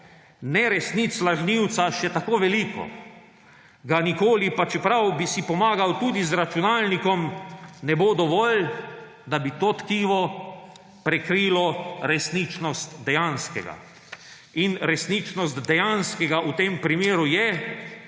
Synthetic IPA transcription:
nɛɾɛsnit̪slaʒniwt̪saʃɛt̪akoːʋɛliːkɔ̰ | ɡanikoːlipat͡ʃɛpɾawbisipɔmaːɡawt̪uːd̪izɾat͡ʃunaːlnikɔmnɛbod̪ɔʋɔl | d̪abit̪oːt̪kiːʋɔ | pɾɛkɾiːlɔɾɛsnit͡ʃnɔst̪d̪ɛjanskɛ̰ɡa̰ | inɾɛsnit͡ʃnɔst̪d̪ɛjanskɛɡaʔut̪eːmpɾimeːɾujɛ

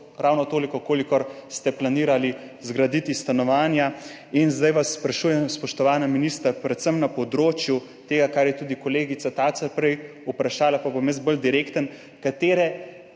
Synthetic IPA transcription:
ɾawnɔt̪oːlikɔkoːlikɔɾst̪ɛplaniːɾali | zɡɾad̪it̪ist̪anɔʋaːnja | inzd̪ajʋasːpɾaʃuːjɛmspɔʃt̪ɔʋaːnaminist̪ɾapɾɛt̪səmnapɔd̪ɾoːt͡ʃju | t̪eːɡakaɾjɛt̪uːd̪ikɔleːɡit̪sat̪aːt͡s̪aɾpɾɛj | upɾaʃaːlapabomjəsbəld̪iɾeːkt̪ən | kat̪eːɾɛ

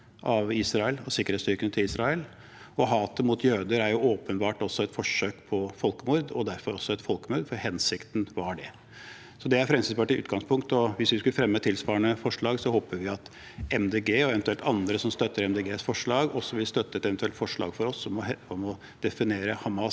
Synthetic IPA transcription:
ʔɑʋiːsɾɑəlɔsɪkːəɾhet̪st̪ʏɾkənət̪ʰɪliːsɾɑɛl | ɔɦɑːt̪əmʊt̪ʰjøːd̪əɾæɾjʊoːpənbɑːʈɔsɔɛt̪fɔʂøːkpʰɔfɔlkəmʊɾd̪ɔd̪æɾfɔɾɔsːɔɛt̪fɔlkəmʊɾd̪fɔɾhɛnsɪkt̪n̩ʋɑɖɛ | sɔd̪ɛæɾfɾɛmsɪsbɑːʈɪʉ̰ːt̪ɡɑŋspʰʊŋkt̪ɔʋɪsʋɪskʉləfɾɛmːət̪ʰɪlsʋɑːɾəɳəfɔʂɭɑːɡsɔhoːpəʋɪɑt̪ | ɛmd̪eːɡeːɔɛʋɛnt̪ʉɛlt̪ɑnd̪ɾəsɔmst̪œt̪ːəɾɛmd̪eːɡeːsfɔʂɭɑːɡɔsːɔʋɪlst̪œt̪ːəɛt̪ɛʋɛnt̪ʰʉɛlt̪fɔʂɭɑ̰ːɡ̥fɔɾɔsɔɔɛɔmɔ | d̪̥ɛfɪneːɾəhɑmɑ

